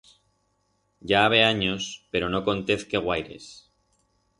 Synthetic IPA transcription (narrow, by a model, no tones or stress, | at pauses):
ɟ͡ʝaaβ̞e̞aɲospe̞ɾo̞no̞ko̞nt̪e̞θke̞ɣwajɾe̞̰s